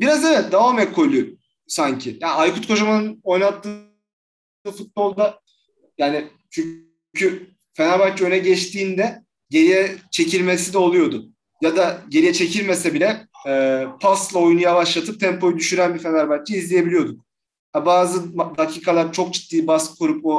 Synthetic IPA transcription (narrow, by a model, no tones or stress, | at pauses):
biɾazevɛt̪̚d̪avaːmɛkʰo̞jlˠuj | saɲcʰɪjaːnajkut̪kʰo̞ʒamanɯno̞jnat̪ːɯ | ɯfut̪̚bo̞lˠd̪a | jaːnɪ | t͡ʃʰy | cʰy | fenaɾbat͡ʃøjnɛɟɛt͡ʃt̪ʰiːnd̪ɛ | ɟe̞ɾijɛt͡ʃʰe̞cʰiɾʲmes̬id̪ɛo̞lˠujo̞d̪ʊ | jad̪aɟe̞ɾijɛt͡ʃʰe̞cʰiɾmesɛbilʲɛɛːpʰaslˠao̞junujaβaʃlˠat̪ʰɯp̚t̪ʰɛmpʰo̞jyd̪yʃyɾænbifenaɾbat͡ʃ̚t͡ʃɯizlʲijebilʲijo̞d̪uk̚ | abaːzɯmd̪acʰiːkʰalˠaɾt͡ʃʰo̞k̚t͡ʃʰi̥t̪ːiːbaskkʰoɾupo